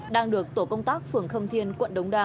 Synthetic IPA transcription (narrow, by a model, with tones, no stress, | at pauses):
ɗaː˧ŋɗɨ˨˩ək̚t̪o˧˩kə˧wŋ͡mt̪aː˦˥k̚fɨ˨˩əŋxə˧wŋ͡mt̪ʰi˧ənkwə̰˧˨nɗə˨˦wŋ͡mɗaː˧